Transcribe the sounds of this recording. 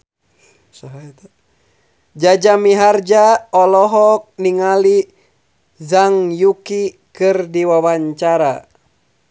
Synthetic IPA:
sɔɦaɛt̪ɛ | d͡ʒad͡ʒamiɦard͡ʒaɔlɔɦɔk̚niŋali | zaŋjuki | kɨrdiwawaɲt͡ʃaɾa

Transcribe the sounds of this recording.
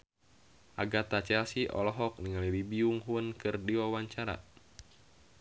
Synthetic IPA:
ʔaɡat̪at͡ʃɛasiʔɔ̰lɔɦɔk̚niŋalilibiuŋɦuənkɨrdiwawaɲt͡ʃaɾa̰

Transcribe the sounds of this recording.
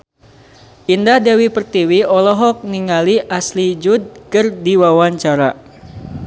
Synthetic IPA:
ʔindahdɛwipərt̪iwiɔlɔɦɔk̚niŋaliʔaslid͡ʒud̪̚kərdiwawaɲt͡ʃaɾa

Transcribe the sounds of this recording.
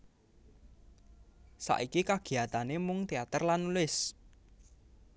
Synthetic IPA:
sa̰ʔikikaɡ̥i̤at̪anemʊŋt̪eat̪ərlanːulɪs

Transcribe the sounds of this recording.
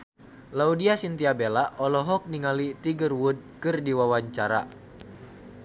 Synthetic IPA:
laudiasint̪iabelaʔɔlɔɦɔk̚niŋalit̪iɡərwud̚kɨrdiwawaɲt͡ʃaɾa̰

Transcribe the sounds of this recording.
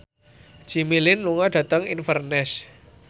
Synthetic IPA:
d͡ʒ̥imilɪnluŋaɖ̥ä̤t̪əŋinfərnɛs

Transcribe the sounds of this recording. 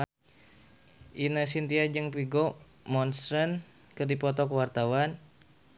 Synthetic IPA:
ʔinəs̬int̪iad͡ʒɨŋpiɡɔ | mɔnsɾən | kərdipɔt̪ɔkəwart̪awan

